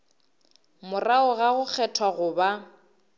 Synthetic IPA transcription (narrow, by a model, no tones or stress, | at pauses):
mʊraʊɣaɣʊk͡xʰɛtʰwaɣʊːba